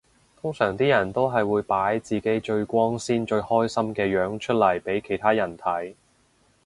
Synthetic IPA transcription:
t̪ʰʊ˥ŋsœː˨˩ŋt̪iː˥jɐ˨˩nt̪o˥wɦɐ˨jwuː˨˧jpaː˨˥jt͡siː˨ke˨˥jt͡ʃɵ˧ɥkʷɔː˥ŋsiː˥nt͡ʃɵ˧ɥhɔː˥jsɐ˥mkɛː˧jœː˨˥ŋt͡ʃʰɵ˥t̚lɐ˨˩jpe˨˥jkʰe˨˩jt̪ʰaː˥jɐ˨˩nt̪ʰɐ˨˥j

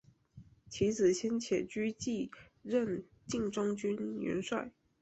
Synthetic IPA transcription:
t͡ɕʰi˧˥d͡zɹ̩˨˩ɕjɛ˥nt͡ɕʰjɛ˨˩t͡ɕy˥t͡ɕi˥˧ | ɻə˥˧n | t͡ɕi˥˩ŋʈ͡ʂʊ˥ŋt͡ɕy˥nɥɛ̰˧˥nʂwa˥˩ɪ

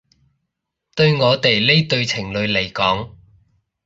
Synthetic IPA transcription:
t̪ɵ˧ɥŋɔː˨˧t̪e˨jle˥jt̪ɵ˧ɥt͡sʰɪ˨˩ŋlɵ˨˧ɥle˨˩jkɔː˨˥ŋ

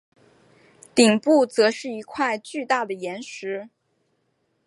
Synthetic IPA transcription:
t̪i˨˩ŋpu˥˩t͡sɤ˧˥ʂɻ̩˥˩i˧˥kʰwa˥˧ɪt͡ɕy˥˧t̪a˥˩d̪ə˩jɛ˧˥nʂɻ̩˧˥

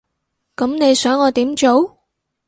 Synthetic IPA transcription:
kɐ˨˥mne˨˧jsœː˨˥ŋɔː˨˧t̪iː˨˥mt͡ʃo˨˥w

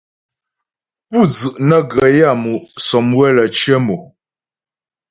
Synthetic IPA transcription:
pu˦˨d͡zʉ˨ʔnə˦ɡə˨ja˦˨mu˨ʔsɔ˨mwɛ˦lə˨t͡ʃə˦mu˨

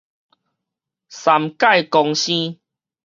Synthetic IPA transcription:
sa˨mka˥˧jkɔ˧ŋɕĩ˦

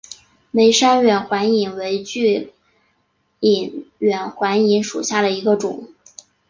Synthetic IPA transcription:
me˧˥ɪʂa˥nɥɛ˨˩nxwa˧˥ni˨˩ŋwe˧˥ɪt͡ɕy˥˩ | i˨˩nɥɛ˨˩nxwa˧˥ni˧˥nʂṵ˨˩ɕja˥˩ɾə˩i˧˥ɡə˧ʈ͡ʂʊ˨˩˦

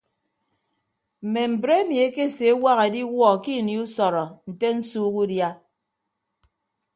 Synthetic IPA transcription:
m̩˨me˨m̩˨bɾe˦e˦mi˨e˦ke˦˨se˨˦wa˦ɣe˨di˦wɔ˦˨ki˦˨ni˨u˦sɔ˨ɾɔ˨n̩˨te˦n̩˦suː˦ɣu˦dja˦

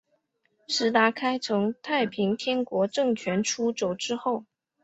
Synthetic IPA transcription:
ʂɻ̩˧˥t̪a˧˥kʰa˥ɪt͡sʰɤ˧˥ŋt̪ʰa˥˩ɪpʰi˧˥ŋt̪ʰjɛ˥nkwɔ˧˥ʈ͡ʂɤ˥˩ŋt͡ɕʰɥɛ˧˥nʈ͡ʂʰu˥t͡ɕo˨˩ʊʈ͡ʂɻ̩˥xo˥˩ʊ

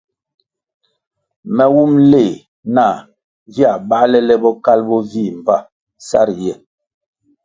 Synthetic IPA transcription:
mɛ˨wu˦mle˦˨ | na˦˨ | vja˨ɓa˦lɛ˦lɛ˦bɔ˦ka˦lbɔ˦vi˦˨m˨va˦˨ | sa̰˦ɾjɛ˨

